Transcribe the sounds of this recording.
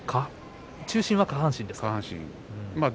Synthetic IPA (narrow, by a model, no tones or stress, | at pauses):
kʰa | t͡ɕɨːɕĩɰ̃βakahãɕĩnd̪eskahãɕḭ̃ | ɯ̃mad